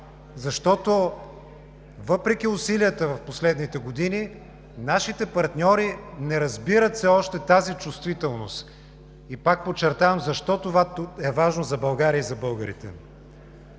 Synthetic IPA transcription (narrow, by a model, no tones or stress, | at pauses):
zɐʃt̪ɔt̪o | vɤpɾɛk̟iʊsiliət̪əvɐfposlɛd̪nit̪ɛɡod̪ini | naʃit̪ɛpɐɾt̪nʲɔɾinɛɾɐzbiɾət̪sɛɔʃt̪ɛt̪azit͡ʃust̪vit̪ɛlˠnost̪ | ipak̚pot͡ʃːɛɾt̪avɐmzɐʃt̪ɔt̪ovaɛvaʒnozɐbɐlˠɡaɾiəizɐbɤlˠɡəɾḭt̪ɛ̰